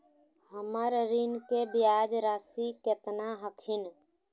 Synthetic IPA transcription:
həməɾɾinkebjad͡ʒɾasiket̪naɦəkʰin

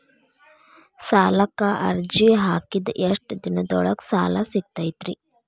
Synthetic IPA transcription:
saːlɐkaʔɐ̰ɾd͡ʒiɦaːkid̪ʔeʂʈd̪inɐd̪ɔɭɐksaːlasiɡ̚t̪ajt̪ɾi

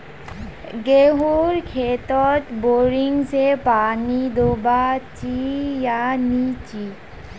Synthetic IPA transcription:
ɡeɦuɾkʰet̪ɔt̪boɾiŋsepanid̪obat͡ɕijanit͡ɕi

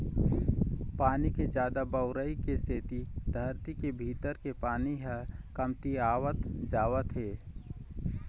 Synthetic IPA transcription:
paːniked͡ʒjaːd̪abəʊɾəikeseːt̪id̪ʱəɾt̪ikebʱiːt̪əɾkepaːniɦɛkəmt̪iaːwət̪d͡ʒaːwət̪ɦeː

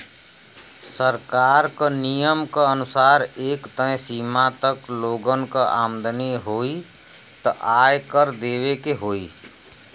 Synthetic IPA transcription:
səɾkaɾkənijəmkəənʊsaːɾeːkt̪ə̃ẽsimat̪əkloːɡənkəa̰md̪neɦoi | t̪ə̰ʔajkəɾd̪eːβekeɦoːi

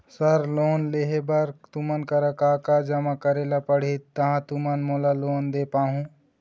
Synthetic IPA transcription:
səɾlonleɦebəɾt̪umənkəɾəkakad͡ʒəmakəɾelapəɽ̤it̪ːəɦãt̪umənmolalond̪epaɦũ

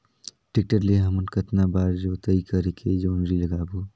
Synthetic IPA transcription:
ʈɪk̚ʈəɾleɦɐmʊnkɐt̪nabaːɾd͡ʒoːt̪ɐikɐɾekʰed͡ʒoːnɾilɐɡaːboː

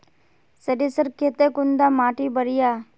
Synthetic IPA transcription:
sɐɾisəɾkʰet̪ekund̪aːmaːʈibəɾijaː

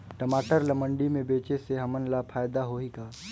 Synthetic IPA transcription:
ʈəmaːʈəɾlɐmə̃ɳɖimẽbeːt͡ʃeseɦɐmənlapʰaːjd̪aɦoikaː

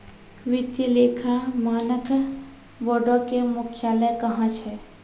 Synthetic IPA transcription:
ʋɪt̪ileːkʰamaːnək | bɔɖõkemʊkʰjaːləjkɐɦãt͡ʃʰɛː

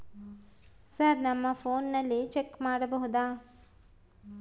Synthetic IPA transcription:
sɐɾnɐmːɐpʰoːnːɐlːit͡ʃekːmaːɽɐbɐɦud̪aː

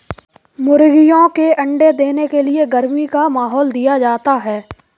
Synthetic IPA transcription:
mʊɾɡɪjõkeʔɐ̃ɳɖed̪eːnekelieɡɐɾmikamaːɦɔːld̪ijad͡ʒaːt̪aɦɛː

